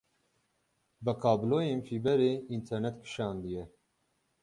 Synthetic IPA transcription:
bəkʰɑːbloːjeːnfiːbɛɾeːint̪ʰɛɾnɛt̪kʰɨ̥ʃɑːnd̪ɨjɛ

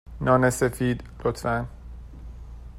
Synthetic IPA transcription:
nɒːnesefiːd̪lot̪fæn

